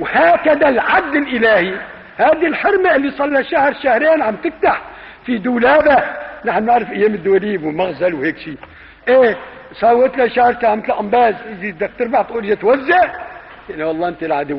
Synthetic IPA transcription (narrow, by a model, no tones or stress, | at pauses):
whaːkad̪alʕad̪ːɪlʔɪlaːhi | haːd̪ilħɪɾmaʔɪlːisˤɑlːaʃahɾˤʃahɾeːnʕamt̪ɪft̪aħ | fid̪uːlaːbanaħnɪʕɾɪfʔajːeːmɪd̪ːʊwaliːwɪmaɣzalwheːkʃiː | ʔeːsˤɑːwːɪt̪laʃahɾˤt̪aːʕmɪt̪lʔambaːzʔɪzid̪ak̚t̪ɪɾbaʕt̪ʔuːɾjat̪wazːaʔ | jʔanːiwɑlˤːɑːʔɪnt̪ilʕad̪ʊ